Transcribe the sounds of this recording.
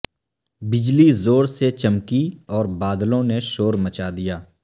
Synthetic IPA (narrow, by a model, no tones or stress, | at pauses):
bɪd͡ʒlizoːɾset͡ʃɐmkiɔːɾbaːd̪lõneʃoːɾmɐt͡ʃad̪ijaː